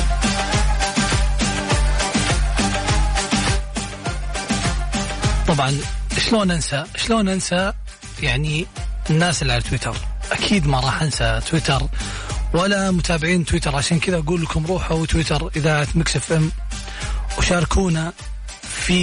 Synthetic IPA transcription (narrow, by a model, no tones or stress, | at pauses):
t̪ˤɑbʕɑnʃloːnʔansaʃloːnʔansa | jaʕniʔɪnːaːsɪlːiʕalat̪wɪt̪ʰɑ̰ɾˤʔakʰiːd̪mɑɾˤɑːħʔansat̪wɪt̪ɑɾˤwalamʊt̪ʰaːbɪʕiːnt̪wɪt̪ɑɾˤʕaʃaːnkɪðaʔaɡuːlːəkʊmɾˤuːħawɪt̪wɪt̪ɑɾˤʔɪðaʕat̪maksɪfʔam | wʃɑːɾˤkʰuːna | fi